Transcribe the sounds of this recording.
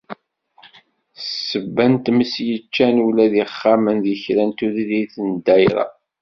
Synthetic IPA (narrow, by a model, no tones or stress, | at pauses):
səbːænt̪məsjət͡ʃːænulæðiχːamənðiçɾænt̪uðiliθənd̪æjɾɑ̰